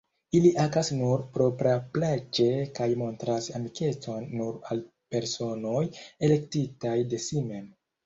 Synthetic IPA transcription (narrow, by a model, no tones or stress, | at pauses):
iliʔakasnuɾpɾo̞pɾaplad͡ʒe̞kajmo̞ntɾasamike̞t͡so̞nːuɾal | pe̞ɾso̞no̞je̞le̞ktitajde̞sime̞m